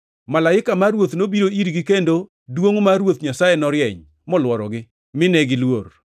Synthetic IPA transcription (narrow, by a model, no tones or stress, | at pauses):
malaɪkamaɾwot̪nobiɾoiɾɡɪkendo | dwoŋmarwot̪ɲasajenɔɾjɛɲ | mɔlwɔɾɔ̰ɡɪ | mɪnɛɡɪlwor